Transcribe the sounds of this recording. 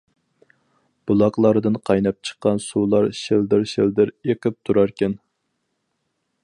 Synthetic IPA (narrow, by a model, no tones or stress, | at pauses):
b̥ulˠɑqlˠɑɾd̪ɨnqʰɑjnɑp̚t͡ʃʰə̥qːɑnsulˠɑɾʃeld̪ɪɾʃeld̪ɪɾeqɪp̚t̪ʰuɾɑɾkʲɛn